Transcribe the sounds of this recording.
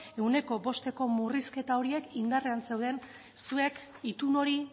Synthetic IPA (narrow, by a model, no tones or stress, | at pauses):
e̞wne̞ko̞bo̞st̪e̞ko̞muriske̞t̪ao̞ɾie̞kind̪are̞anse̞wðe̞n | sue̞k | it̪uno̞ɾi